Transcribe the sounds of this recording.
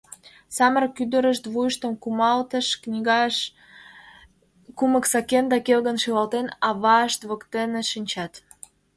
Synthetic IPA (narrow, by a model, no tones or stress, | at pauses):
sɑmərkyd̪ə̆ɾəʃt̪βujəʃt̪əmkumɑlt̪əʃ | kuməksɑkend̪ɑkelɣənʃilɑlt̪enɑβɑəʃt̪βə̆kt̪enĕʃinʲt͡ɕɑt̪